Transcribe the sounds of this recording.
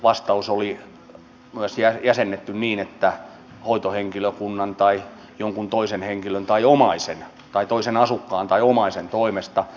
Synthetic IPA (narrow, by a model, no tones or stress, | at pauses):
ʋɑst̪ɑusoli | myæsjæjæsenːet̪ːynniːnet̪ːæ | hoit̪oheŋkiløkunːɑnt̪ɑi | joŋkunt̪oisenheŋkilønt̪ɑiomɑisḛn | t̪ɑit̪oisenɑsukːɑːnt̪ɑiomɑisent̪oimest̪ɑ